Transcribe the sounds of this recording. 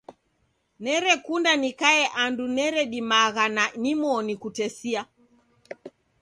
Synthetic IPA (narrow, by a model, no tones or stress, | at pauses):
nɛɾɛkundanikaɛʔandunɛɾɛɗimaɣananimɔnikutɛsia